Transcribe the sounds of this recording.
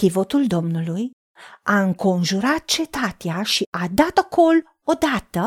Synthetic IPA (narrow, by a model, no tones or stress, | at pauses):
kivot̪uld̪omnəluj | aəŋkonʒuɾat̪̚t͡ʃet̪at̪jaʃiʔad̪at̪akʰol | od̪at̪ə